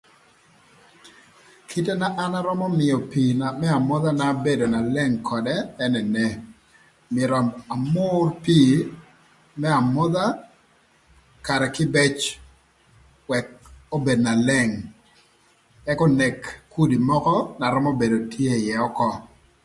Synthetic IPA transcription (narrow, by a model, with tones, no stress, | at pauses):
kʰi˦te˦na˦ʔa˦na˦ɾɔ˦mɔ˦mɪ˨jɔ˨pi˨na˨mɛ˦a˨mʊ˦ða˦na˦be˦do˨na˨lɛ˦ŋkʰɔ˨dɛː˦nɛ˨nɛ˦ | mɪɛ˨ɾɔ˨a˨mʊrpiː˦ | mɛ˦a˨mɔ˦ða˦ | ka˨ɾɛ˨kɪ˦bɛ˦t͡ʃ | wɛ˨k̚o˦be˨dna˨lɛ˦˨ŋ | ɛ˦kɔ˦ne˨kːu˦di˨mɔ˦kɔ˦na˨ɾɔ˦mo˦be˨do˨tʰje˦jɛ˨ɔ˦kɔ˦